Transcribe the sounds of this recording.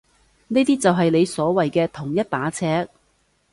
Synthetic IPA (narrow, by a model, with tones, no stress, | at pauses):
neː˥t̪iː˥t͡sɐ˨wɦɐ˨jle˨˧jsɔː˨˥wɐ˨jkɛː˧t̪ʰʊ˨˩ŋjɐ˥t̚paː˨˥t͡sʰɛː˧˥k̚